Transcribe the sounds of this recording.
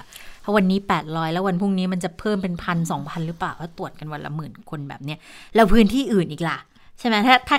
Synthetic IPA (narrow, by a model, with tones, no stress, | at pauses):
t̪ʰɔ˦˥wa˧nːiː˦˥pɛː˨˩t̪̚ɾɔː˦˥jlɛː˦˥wa˧npʰu˥˩ŋniː˦˥ma˧nt͡ɕa˨˩pʰɤː˥˩mpe˧npʰa˧ns̬ɔː˩˦ŋpʰa˧nɾɯː˦˥plaː˨˩wkaː˦˥˩t̪u˨˩ət̪̚ka˧nwa˧la̰˧˥mɯː˩˦nkʰo˧nbɛ̰ː˨˩p̚ni˦˥ɐlɛ˦˥wpʰɯː˦˥nt̪ʰiː˥˩ʔɯː˨˩nʔiː˨˩k̚la˨˩ | t͡ɕʰa˥˩jmɛ˦˥t̪ʰaː˥˩t̪ʰaː˥˩